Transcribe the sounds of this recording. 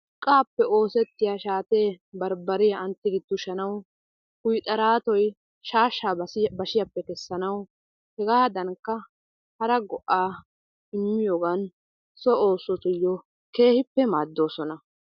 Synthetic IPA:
kʼːaːpːɛo̞ːsɛt̪ːɪjaːʃaːt̪e̞ːbɐɾbɐɾɪjaʔɐnt̪ːɪɡɪd̪̥ːʊʃɐnɐw | hʊjt̪ʼɐɾaːt̪ɔj | ʃaːʃːaːɐbɐʃɪjɐpːɛkɛsːɐnɐw | hɛɡaːd̪ɐŋkːɐ | hɐɾɐɡɔʔaː | ɪmːɪjoːɡɐn | sɔoːsɔt̪ʊjːɔ | ke̞ːhɪpːɛmaːd̪ːo̞ːsɔnɐ

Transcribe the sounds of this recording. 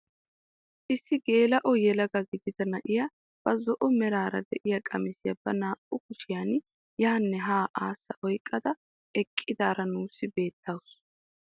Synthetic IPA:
ʔɪsːɪɡe̞ːlɐʔɔjɛlɐɡɐɡɪd̪ɪd̪ɐnɐʔɪja | b̥ɐzɔʔɔmɛɾaːɾɐ̰d̪ɛʔɪjɐkʼɐmɪsɪjɐb̥ɐnaːʔʊkʊʃɪjan | jaːnːɛɦaːʔaːsːɐʔɔjkʼːɐd̪ɐ | ɛkʼːɪd̪aːɾɐnuːsːɪbe̞ːt̪ːɐwʊs

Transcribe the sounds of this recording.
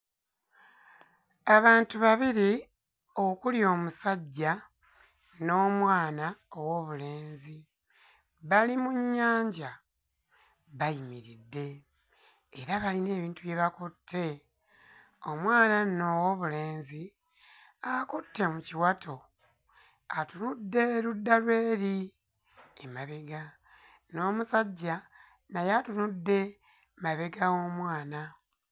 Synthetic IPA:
aβaːntuβaβiɾi | o̞kuljo̞ːmusaɟːa | no̞ːmwaːnaowo̞βule̞ːnzi | βalimuɲːaːɲɟa | βajimiɾidːe̞ː | ɾaβaline̞ːβiːntuβje̞βakutʰːe̞ | o̞mwaːnanowoβule̞ːnzi | akutːe̞muciwatʰo̞ | atunudːe̞ɾudːalwe̞ːɾi | emaβe̞ɡa | no̞ːmusaɟːa | najatunudːe̞ | maβe̞ɡaɣo̞ːmwaːna

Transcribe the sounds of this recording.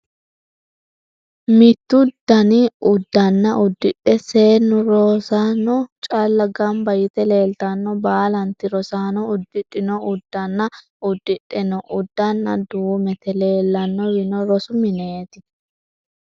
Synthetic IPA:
mɪt̪ːʊd̪ːɐnɪʊd̪ːɐnːɐʔʊd̪ːɪᶑɛse̞ːnːɔɾoːsaːnɔt͡ʃʼɐlːɐɡɐmbɐjɪt̪ɛle̞ːlt̪ɐnːɔbaːlɐnt̪ɪɾɔsaːnɔʊd̪ːɪᶑʼːɪnɔʊd̪ːɐnːɐ | ʊd̪ːɪᶑʼːɛnɔʔʊd̪ːɐnːɐ̰d̪uːmɛt̪ɛle̞ːlːɐnːɔwɪnɔɾɔsʊmɪneːt̪ɪ

